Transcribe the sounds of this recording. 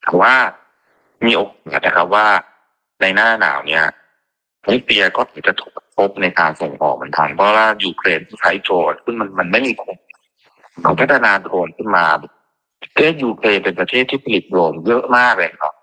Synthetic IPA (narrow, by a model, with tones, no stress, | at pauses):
t̪ʰɔː˨˧˦waː˥˩ | miː˧ʔo˧k̚mɯ˨˩˦na˦˧kʰa˦˥p̚waː˥˩ | na˧jnaː˥˩na̰ː˩˦wni˦˥˩ɐ | ma˦˥kli˧ɐkɔː˥˩t̪ʰɯː˩˦t͡ɕa˨˩t̪ʰu̥˨˩pʰo˦˥p̚na˧jkaː˧nso˨˩˦ŋʔɔ̰ː˨˩mɯ˨˩˦nt̪ʰa˧˩npʰɔ˦˥˦waː˥˩juː˧kʰleː˧ntʰɯː˥˩sʰa˦˥jt͡ɕɾoː˧nkʰɯ˥˩ŋma˧nma˧nma˥˩jmiː˧kʰu˧ŋ | kʰa˨˧˦pʰa˦˥t̪ʰːa˧naː˧t̪ɾoː˧nkʰɯ˥˩nmaː˧ | t̪ʰeː˥˩t̪̚juː˧kʰleː˧npe˧npɾa˧t̪ʰeː˥˩t̪ʰːiː˥˩pʰa˧li˨˦˩t̪̚ɾoː˧njɤ˦˥ʔmaː˥˩k̚leː˧na˨nʰɔ̰˦˥